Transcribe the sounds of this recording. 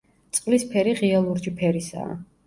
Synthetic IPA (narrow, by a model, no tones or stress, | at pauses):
t̪sʼqʼlispʰɛɾiʁialˠuɾd͡ʒipʰɛɾisa̰ː